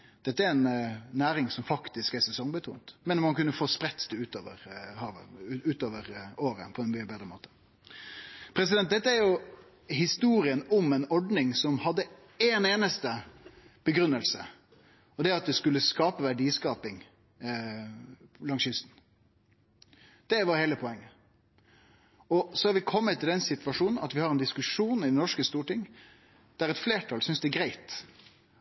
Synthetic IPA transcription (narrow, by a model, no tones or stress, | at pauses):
d̪̥ɛt̪ːəæɾɛnnːæːɾɪŋsɔmfɑkt̪ɪskæɾsɛsɔŋbət̪ʰṵːnt̪mɛnmɑnkʉnːəfoːspɾɛt̪ːd̪ɛʉːt̪oːʋə̰ɾhɑːʋə̰ʉːt̪oːʋəɾoːɾə̰pʰɔɛnmyːəbeːd̪ɾəmoːt̪ə̥ | pʰɾɛs̬ɪd̪ɛnt̪̚d̪ɛt̪ːəæɾjʊ | hɪst̪uːɾɪənʊmɛnɔɖnɪŋsɔmhɑd̪ːə | eːneːnəst̪əb̥əɡɾʉnːəlsə̰ | ɔd̪ɛɑt̪̚d̪ɛskʉlːəskɑːpəʋæɖiːskɑːpɪŋ | lɑŋsjʏst̪n̩ | d̪̥ɛʋɑɾheːləpʰɔɛŋːə | ɔsɔhɑɾʋɪkʰɔmːət̪ʰːɪld̪ɛnsɪt̪ʋɑʂuːnn̩ɑt̪ʋɪhɑɾɛnd̪ɪskʉʂuːnɪd̪ɛnɔʂkəst̪uːʈɪŋː | d̪̥æɾɛt̪fleːʈʰɑlsʏnsd̪ɛːɡɾæɪt̪